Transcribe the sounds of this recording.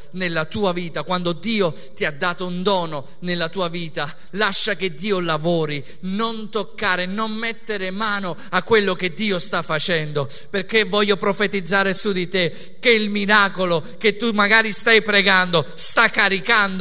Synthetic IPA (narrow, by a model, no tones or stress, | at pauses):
nelːat̪uːaviːt̪akwand̪od̪iːo | t̪iad̪ːaːt̪ound̪ɔːno | nelːat̪uːaviːt̪a | laʃːak̟ed̪ːiːolavɔːɾi | nont̪okːaːɾenonmet̪ːeɾemaːno | akːwelːok̟ed̪ːiːost̪afːat͡ʃɛnd̪o | perkːevːɔʎːopɾofet̪id̪zːaːɾesud̪it̪e | kːeilmiɾaːkolo | k̟et̪ːumaɡaːɾist̪ajpɾɛɡand̪ost̪akːaɾikand̪